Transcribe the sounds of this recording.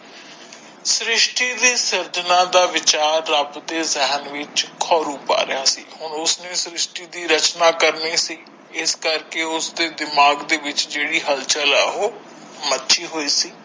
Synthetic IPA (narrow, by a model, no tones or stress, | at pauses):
sɾɪʃʈiːd̪iːsəɾd͡ʒnãːd̪aːʋɪt͡ʃaːɾːəbd̪eːzɛɦənʋɪt͡ʃkʰɔːɾuːpa̰ːɾɪjaːsḭːhʊɳʊsnẽːsɾɪʃʈiːd̪iːɾət͡ʃnaːkəɾniːsiː | ɪskəɾkeːʊsd̪eːd̪ɪmaːɡd̪eːʋɪt͡ʃd͡ʒeːɽiːɦəlt͡ʃəlɛːoː | mətːʃʰiːɦoːiːsiː